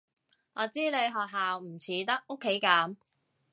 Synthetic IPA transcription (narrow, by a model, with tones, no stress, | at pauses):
ŋɔː˨˧t͡siː˥ne˨˧jɦɔː˨k̚ɦaː˨wm̩˨˩t͡sʰiː˨˧t̪ɐ˥k̚ʔo˥kʰːe˨˥jkaː˨˧˥m